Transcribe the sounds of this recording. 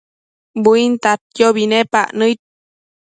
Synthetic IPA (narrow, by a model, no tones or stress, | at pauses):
buint̪at̪̚jjoβinepa̰ʔnɨit̪̚